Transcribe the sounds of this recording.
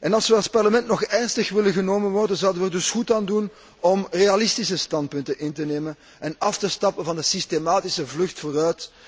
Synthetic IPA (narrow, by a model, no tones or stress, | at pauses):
ʔɛnɑlˠsʋəɑlˠspɑrləmɛntnɔxɛrnstəxʋɪlənɣənoːmənʋɔrdənzawdənʋɛrdɵsxutaːndun | ɔmrealɪstisəstɑnt̚pɵntənʔɪntəneːmən | ʔɛnɑftəstɑpənvɑndəsistemaːtisəvlɵxtfoːrœɥt